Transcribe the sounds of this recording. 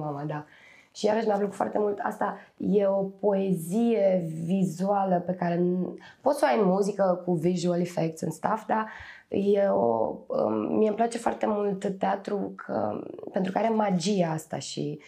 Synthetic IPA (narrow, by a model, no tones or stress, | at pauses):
mamad̪a | ʃijaɾəʃmeafləku̥foa̰rt̪e̞mult̪a̰st̪aje̞o̞po̞ezije̞vizualəpe̞kaɾe̞npo̞t̪soajmmːuzikəkuviʒualifek̚t̪sɨ̰nst̪afd̪a | jeo̰ə̰miemplat͡ʃe̞foa̰rt̪e̞mult̪t̪eat̪ɾukʰə̰pent̪ɾukəaɾe̞mad͡ʒijeast̪a̰ʃḭ